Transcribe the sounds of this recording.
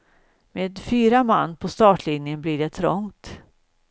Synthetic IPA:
meːd̪fyːɾama̰nːpʰɔst̪ɑːʈlɪnjənblɪɖɛt̪ʰɾɔ̰ŋt̪

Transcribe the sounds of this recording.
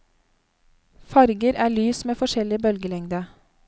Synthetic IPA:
fɑɾɡəɾæːɭyːsmeːfɔʃɛlɪbœlɡəlɛŋd̪ə

